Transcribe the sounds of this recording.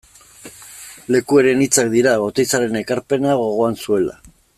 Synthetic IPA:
le̞kue̞ɾe̞nit͡sak̚d̪iɾaβo̞t̪ejst͡saɾe̞ne̞kaɾpe̞naɣ̞o̞ɣo̞ansue̞la̰

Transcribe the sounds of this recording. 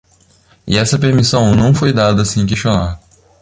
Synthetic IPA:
ɪ̰ɛsɐpeɾmisɐ̃w̃nɐ̃w̃fojd̪ad̪ɐsẽk̬eʃt͡ʃõnaɾ

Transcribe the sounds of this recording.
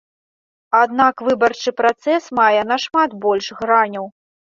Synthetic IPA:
ad̪nakvɨbɐrt͡ʂɨpɾat̪sɛsmajɛnɐʂmat̪bɔlʲʂɣɾanʲɐw

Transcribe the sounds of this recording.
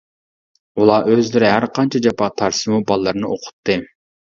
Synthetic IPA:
ulˠɑʔøzlɪɾɪɦæɾqʰɑnt͡ʃʰɑd͡ʒɑpɑt̪ʰɑɾsɨmubɑlˠːɑɾnɨoqʰʊ̥t̪ʰːɨ

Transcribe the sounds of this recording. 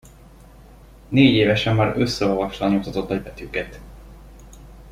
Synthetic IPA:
neːɟeːvɛʃɛmːaːɾøsːɛolvɒʃlɒnut̪ɒt̪o̞t̪nɒɟbɛt̪ykɛt̪

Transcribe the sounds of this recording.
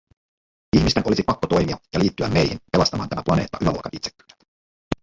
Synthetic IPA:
içmist̪eno̞lisipɑkːot̪o̞jmiɑjɑliːt̪ːyæmːe̞jhinpe̞lɑst̪ɑmɑːnt̪æmæplɑneːt̪ːɑʔylæɑ̰lkɑ̰nit̪se̥kːy̥

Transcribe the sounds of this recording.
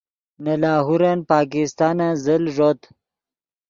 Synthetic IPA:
nalaːɦuɾanpɑːkist̪ɑːnazəlʐot̪

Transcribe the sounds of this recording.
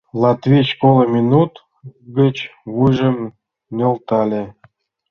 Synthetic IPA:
lˠɑt̪vʲit͡ɕkolɤ̆mʲinut̪ | ɡʲə̆t͡ɕβujʒə̆m | nʲɤ̆lt̪ɑlʲĕ

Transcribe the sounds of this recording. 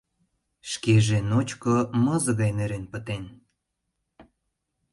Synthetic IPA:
ʃkeʒenot͡ɕkomə̆zəɣɑjneɾenpət̪en

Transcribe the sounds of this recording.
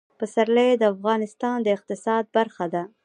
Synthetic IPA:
pəsaɾləjed̪əafɣɑnɪst̪ɑnd̪əɪq̚t̪ɪsɑd̪̚baɾxad̪a

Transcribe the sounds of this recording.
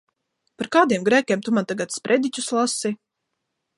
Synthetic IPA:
paɾkaːd̪iɛmɡɾæːkʲeɛmt̪umant̪aɡat̪spɾʔɛd̪it͡ʃʲuslˠasi

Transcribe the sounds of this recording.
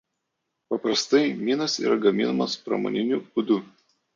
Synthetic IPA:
pɐpɾɐst̪ɐɪmʲiːnɐsḭːɾɐɡɐmʲɪnɐmɐspɾɐ̰mo̰ːnʲɪnʲuːbʊd̪ʊ

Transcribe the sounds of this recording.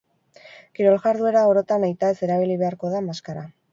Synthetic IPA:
kiɾo̞lɣaɾðue̞ɾao̞ɾo̞t̪anajt̪ae̞se̞ɾaβiliβe̞aɾko̞ðamaskaɾa

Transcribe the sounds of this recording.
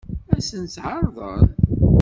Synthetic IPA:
æsənt͡sʕɑɾˤðˤə̰ɾ

